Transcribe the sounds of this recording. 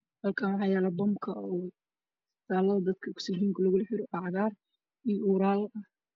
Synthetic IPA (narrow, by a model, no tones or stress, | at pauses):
hɐlkʰaːnwɑħɑːjɛːlɛbɔmkʰɐɔ | t̪aːlɐðɐd̪ɐd̪kʰɐkʰʊ̥sɪɡiːŋkʰʊlɐɣʊlɐħɪɾɪʔɑʕɣaːr | ijuːɾaːlɐ